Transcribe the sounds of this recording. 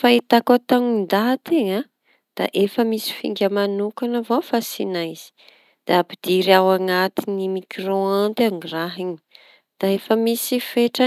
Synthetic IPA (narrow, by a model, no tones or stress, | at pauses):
fait̪akat̪aŋind̪at̪eŋa | d̪̥a̰ʔefəmisi̥fḭŋɡʲəmanukanavofasinaiz̥i̥ | d̪̥aapid̪iɾawaŋat̪inimikɾoant̪aŋiraɦiɲi̥ | d̪̥aefəmisifeʈ͡ʂə